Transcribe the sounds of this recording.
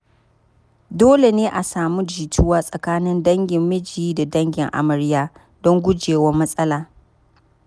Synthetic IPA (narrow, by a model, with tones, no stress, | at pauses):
doː˦le˨neː˦ʔa˨saː˨mu˦d͡ʒiː˨tʊ˦waː˦sʼɐ˨kaː˦nɪ˦ndɐ˦ŋɡʲɪ˨mːɪ˦d͡ʒiː˦da˨dɐ˦ŋɡʲɪ˨ŋʔa̰˨mɐ˨ɾɪ˦jaː˦ | dɔ˦ŋɡʷʊ˦d͡ʒeː˨wɐ˦mːɐ˦sʼɐ˦laː˨